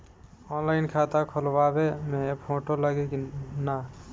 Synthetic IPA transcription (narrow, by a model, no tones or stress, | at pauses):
ɔnlaɪnkʰat̪akʰɔlbabemẽpʰoʈolaɡekina